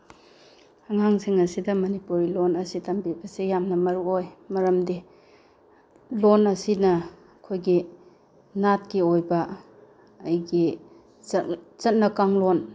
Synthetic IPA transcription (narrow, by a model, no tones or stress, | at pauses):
ɐŋaŋsiŋɐsidɐmɐnipuɾilonɐsitɐmbibɐsijamnɐmɐɾuojmɐɾɐmdi | lonɐsinɐ | kʰojɡi | nat̚kiojbɐː | jɡi | zɐt̚nɐkaŋlon